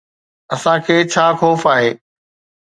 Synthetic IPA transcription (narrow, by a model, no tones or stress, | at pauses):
ɐsãkʰeːt͡ɕʰaːxoːfaːɦeː